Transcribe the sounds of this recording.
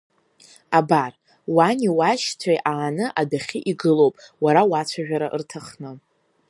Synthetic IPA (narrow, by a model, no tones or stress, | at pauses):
abar | waniwaʃt͡sʷʰajʔaːnɨʔadaχʲiʔiɡɨlowpʼwaɾawat͡ɕʷʰaʒᶣaɾaʔɨ̰rtʰaχnɨ